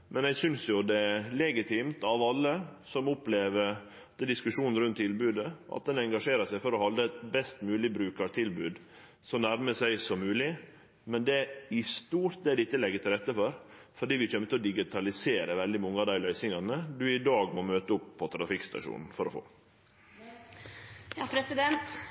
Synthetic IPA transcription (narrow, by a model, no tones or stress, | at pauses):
mʔɛnɛɪɡsʏnsjʊd̪ɛlɛɡɪt̪ʰɪːmt̪ɑʋɑlːəsɔmʊpleːʋəɾ | t̪d̪ɛd̪ɪskʉʂuːnn̩ɾʉnt̪ʰːɪlbʉːd̪əʔɑ̰t̪̚d̪ɛnɛŋɡɑʂeːɾəsæɪfɔɾɔhɑld̪əɛt̪bɛst̪mʉːlɪbɾʉːkət̪ʰɪlbʉːd̪ | sɔnæɾməsæɪsɔmʉːlɪ | mɛnd̪ɛɪst̪uːɾt̪̚d̪ɛːd̪ɪt̪ːəlɛɡːət̪ʰɪlɾɛt̪ːəfɔɾ | fɔɖiːʋɪçɛmət̪ɔd̪ɪɡɪt̪ʰɑlɪseːɾəʋɛld̪ɪmɔŋːəɑd̪æɪlœʏsɪŋɑnəd̪ʉɪd̪ɑːɡmɔmøːt̪əʊpʰːɔt̪ʰɾɑfɪkst̪ɑ̰ʂṵːnn̩fɔɾɔ̰fo̰ː | jpʰɾɛsɪd̪ɛnt̪